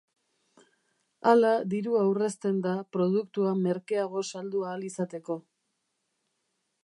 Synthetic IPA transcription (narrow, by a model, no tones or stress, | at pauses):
alaðiɾuawre̞st̪e̞nd̪apɾo̞ð̞ukt̪uame̞ɾke̞aɣ̞o̞sald̪uaːlisat̪e̞ko̞